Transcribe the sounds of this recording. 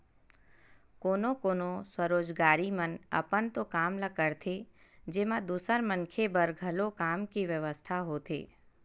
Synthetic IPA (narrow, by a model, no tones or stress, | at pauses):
koːnokoːnoswəɾoːd͡ʒɡaːɾimənə̰pənt̪okaːmlakəɾt̪ʰed͡ʒeːmãd̪uːsəɾməŋkʰebəɾɡʱɐlokaːmkiʋjəʋəst̪ʰaɦoːt̪ʰḛː